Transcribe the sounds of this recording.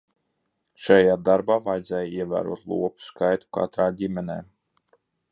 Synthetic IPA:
ʃajaːd̪aɾbaːvajd̪zɛːjiɛvæ̰ːɾṵɔt̪lˠṵɔpu̥skajt̪u̥ka̰t̪ɾaːdʲimʲɛnɛː

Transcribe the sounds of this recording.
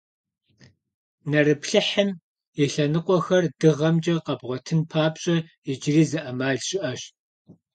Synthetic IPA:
nɐrɨpʰɬɨħəm | jɛɬɐnɨqʷʼɔxɐrdɨʁɐmd͡ʒʼɐqɐbʁʷɔtʰɨnpʰaːpɕʼɐjɪd͡ʒɪriːzɨʔɐmaːɮɕʼɪʔɐɕt

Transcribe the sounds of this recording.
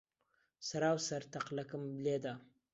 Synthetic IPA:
saɾawsaɾt̪aqlakəmbled̪a

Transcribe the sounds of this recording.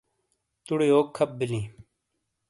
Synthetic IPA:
t̪uɽeoːkʰːɐp̚bilĩː

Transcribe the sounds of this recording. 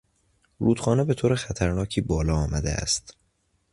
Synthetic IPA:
ɾuːd̪̥xɒːne̞be̞t̪ʰoːɾexæt̪ʰæɾnɒːcʰiːbɒːlɒːɒːmæd̪eʔæ̰st̪

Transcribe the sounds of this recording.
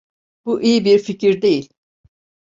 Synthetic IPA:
b̥uʔijibiɾficʰiɾd̪e̞jilʲ

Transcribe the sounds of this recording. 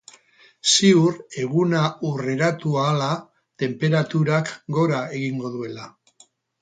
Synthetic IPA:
siuɾe̞ɣunaure̞ɾat̪uaːla | t̪e̞mpe̞ɾat̪uɾakɡo̞ɾae̞ɣiŋɡo̞ðue̞la

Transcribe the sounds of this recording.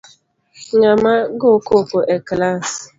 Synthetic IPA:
ɲamaɡokokʊʔeklas

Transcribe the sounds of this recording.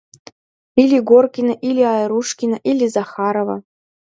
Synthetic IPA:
ilʲiɡorkʲinaʔilʲiɑjɾuʂkʲinaʔilʲizɑχɑɾova̰

